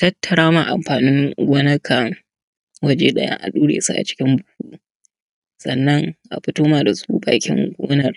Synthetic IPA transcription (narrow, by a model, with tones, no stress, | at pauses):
tɐ˦tːɐ˨ɽaː˦ma˦˨ʔa̰˨mɸaː˨nɪ˦ŋɡʷɔː˦nɐ˦kʰaː˨ | wɐ˦d͡ʒeː˦ɗɐ˦ja̰˦ʔa̰˨ɗuː˦ɽḛː˨su˦ʔa̰˨t͡ʃɪ̥˦kʲɪ˦mbʊ˨huː˦ʔ | sɐ˨nːɐ˦ŋʔa̰˨ɸɪ˦toː˦maː˨da˨sṵː˦ba̰ː˨kʲɪ̰˦ŋɡʷo̰ː˦nɐ˦˨r